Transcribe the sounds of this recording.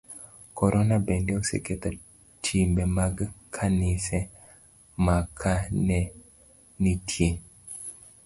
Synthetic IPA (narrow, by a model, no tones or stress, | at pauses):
kɔɾʔɔnabɛndɛosḛket̪a | tʰimbɛmaɡkʰanɪsɛ | makʰanɛ | nitʰje